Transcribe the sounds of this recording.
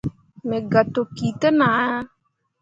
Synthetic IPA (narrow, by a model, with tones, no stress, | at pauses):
me˨ɡa˨to˨ki˨tə˦na˨a˦